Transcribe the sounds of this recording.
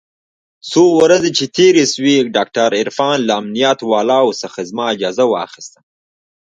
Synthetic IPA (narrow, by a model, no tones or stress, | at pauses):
sowɾazet͡ʃet̪ʰeɾeswiɖɑk̚ʈaɾɪɾfɑːnlaːmnijat̪wɑːlɑwsaxɪzmaɪd͡ʒɑːzawa̰xist̪ə